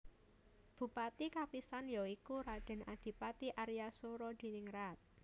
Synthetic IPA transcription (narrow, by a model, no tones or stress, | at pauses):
b̥ṳpat̪ikapisanjɔikuɾad̥ɛ̤nad̪̥i̤pat̪iʔaɾijasoɾɔd̪̥i̤nɪŋrat̪̚